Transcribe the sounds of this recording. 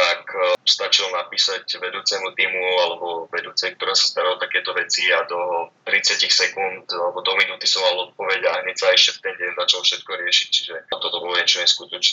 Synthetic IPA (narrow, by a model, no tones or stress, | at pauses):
akst̪at͡ʃilnapiːsacʋɛd̪uːt͡sɛmut̪iːmualɛbɔʋɛd̪uːt͡sɛjk̚t̪ɔɾaːsḁst̪aɾalat̪akɛːt̪ɔʋɛt͡siad̪ɔt̪ɾit͡sɪacixsɛkunt̪alɛbɔd̪ɔminut̪isɔmːalɔt̪̚pɔʋɛɟaɦɲɛcsaaɛʃɛft̪ɛnɟɛnzat͡ʃalfʃɛt̪kɔɾɪɛʃi̥ct͡ʃi̥ʒɛt̪ɔt̪ɔbɔlɔɛɲt͡ʃɔɲɛskut̪ɔt͡ʃnɛ